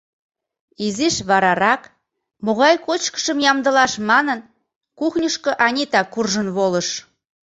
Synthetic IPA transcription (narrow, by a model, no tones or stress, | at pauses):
iziʃβɑɾɑɾɑk | moɣɑjkot͡ɕkə̥ʃəmjɑmd̪əlɑʃmɑnən | kuxnʲəʃkɤ̆ʔɑnʲit̪ɑkurʒənβoləʃ